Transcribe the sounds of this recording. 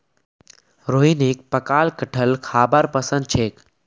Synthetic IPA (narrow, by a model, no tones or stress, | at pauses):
ɾoːɦinik̚pəkaːlkəʈʰəlkʰaːbaɾpəsə̃nd̪̚t͡ʃʰeːk